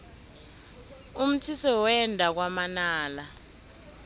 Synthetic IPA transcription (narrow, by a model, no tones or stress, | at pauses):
um̩tʰisɔwɛndʱak̬wamanaːla